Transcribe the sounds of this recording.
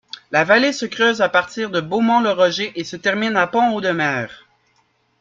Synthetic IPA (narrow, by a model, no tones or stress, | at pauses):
lavalesəkʁøːzapaʁt̪iːʁd̪əbomɑ̃ləʁɔʒeʔesət̪ɛʁminapɔ̃od̪əmɛːʁ